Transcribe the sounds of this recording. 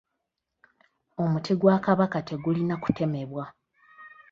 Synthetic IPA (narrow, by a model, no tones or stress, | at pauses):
o̞mutʰiɡwaːkaβakate̞ɡulinaku̥te̞me̞βwa